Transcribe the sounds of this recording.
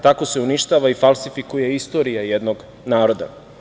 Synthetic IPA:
t̪ako̞se̞uniʃt̪aːʋaifalsifikuje̞ist̪o̞ːɾijajed̪noɡ | naːɾo̞d̪a̰

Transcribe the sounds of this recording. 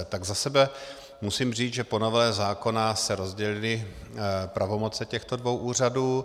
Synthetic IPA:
t̪aɡzasɛbɛ | musiːmr̝iːt͡sʒɛpo̞novɛːzaːko̞nasɛɾo̞zɟɛlɪlɪ | pɾavo̞mo̞t͡sɛcɛxt̪o̞dvo̞wʔuːr̝aduː

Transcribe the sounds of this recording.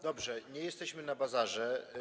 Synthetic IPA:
d̪ɔbʐɛɲɛjɛst̪ɛɕmɘnabazaʐɛ

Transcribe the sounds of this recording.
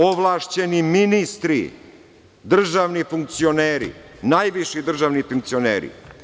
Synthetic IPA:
oʋlˠaːʃt͡ɕeniminist̪ɾḭ | d̪r̩ʒaʋnifuŋk̚t̪sioneːɾḭnaːjʋiʃid̪r̩ʒaʋnifuŋk̚t̪sionḛːɾḭ

